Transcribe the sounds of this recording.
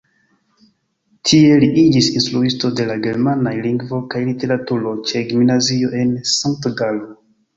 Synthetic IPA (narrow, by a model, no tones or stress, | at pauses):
tʰie̞liʔid͡ʒisinstɾuisto̞de̞laɡe̞ɾmanajliŋɡvo̞kajlite̞ɾatuɾo̞t͡ʃe̞ɡimnazio̞ʔe̞nsaŋk̚tɡalo